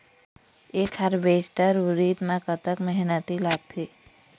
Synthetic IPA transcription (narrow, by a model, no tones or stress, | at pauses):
eːkhəɾbeːsʈəɾʊɾiːt̪mãkət̪əkmɛɦnət̪ilaːɡ̚t̪ʰiː